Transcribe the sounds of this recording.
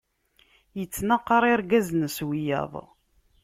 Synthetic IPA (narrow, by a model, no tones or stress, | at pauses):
jət͡sːnɑqːɑɾˤɪɾɡæznəswijɑ̰ðˤ